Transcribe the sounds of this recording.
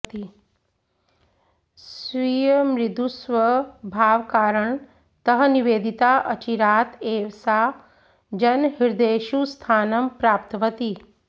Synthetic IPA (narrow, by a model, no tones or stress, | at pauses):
t̪i | ssʋijəmɾɪd̪usʋəbʱaːʋkaːɾəɳ | t̪ɐɦə̆niʋeːd̪it̪aːʔɐt͡ʃiɾaːt̪ʰeːʋsaː | d͡ʒɐnɦiɾd̪eːʃust̪ʰaːnɐmpɾaːpt̪ʋət̪i